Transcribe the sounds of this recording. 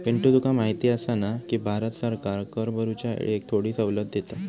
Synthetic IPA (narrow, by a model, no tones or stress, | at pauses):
ʋiɳʈud̪ukamaɦit̪iːəsanakiːbʱaɾət̪səɾkaɾkəɾbəɾut͡ɕja̰ek̚t̪ʰoɽiːsəʋləd̪ʱjet̪a